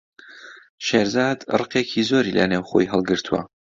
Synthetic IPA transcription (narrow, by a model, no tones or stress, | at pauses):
ʃeːɾzaːd̪rɨqekʰizoːɾilɐ̰newχo̰jɦəlˠɡɨɾt̪ʰuwɐ̰